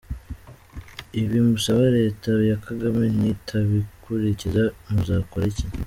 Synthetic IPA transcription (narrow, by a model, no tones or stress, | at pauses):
iβimusaβaɾe̞ːtaβjakaɡamenitʰaβikʰuɾicizamuzaːkoɾeciɲ